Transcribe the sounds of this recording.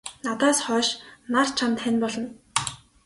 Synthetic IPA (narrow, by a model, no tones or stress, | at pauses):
nat̪aːsχœːʃnar̥t͡ɕʰant̪χænpɔɮɞ̆n